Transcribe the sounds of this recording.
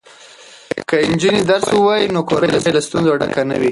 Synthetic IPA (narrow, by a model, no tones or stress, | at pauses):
kəɪnd͡ʒunid̪aɾswuwɑjinokoɾalabelast̪unzoaɖa̰kana̰wi